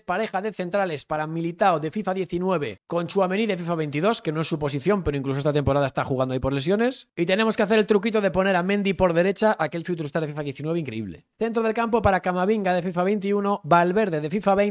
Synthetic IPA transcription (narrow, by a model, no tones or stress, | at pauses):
paɾe̞xaðe̞θe̞nt̪ɾale̞spaɾamilit̪aoðe̞fifaðje̞θinwe̞β̞e̞̰ko̞nt͡ʃuaβe̞niðe̞fifaβe̞jnt̪iðo̞ske̞noe̞sːupo̞siθjo̞mpe̞ɾoiŋklusoest̪at̪e̞mpoaðaest̪axuɣand̪oaipo̞ɾle̞s̬jonesit̪e̞nemo̞skeaθe̞ɾe̞lt̪ɾukit̪o̞ð̞e̞po̞ne̞ɾamẽnd̪ipo̞ɾðe̞ɾe̞t͡ʃaʔake̞lfiuwt̪uɾist̪aɾðfifaðje̞θinwe̞β̞iŋkɾe̞̰ḭβle̞̰θe̞nt̪ɾo̞ð̞elkampo̞paɾakamaβ̞iŋɡaðe̞fifaβe̞jnt̪̬iuno̞βalβe̞ɾðe̞ðe̞fifaβe